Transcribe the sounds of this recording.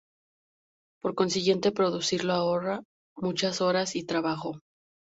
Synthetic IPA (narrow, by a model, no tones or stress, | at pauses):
po̞ɾko̞nsiɣje̞nt̪e̞pɾo̞ðusiɾloao̞ra | mut͡ʃaso̞ɾasit̪ɾaβaxo̞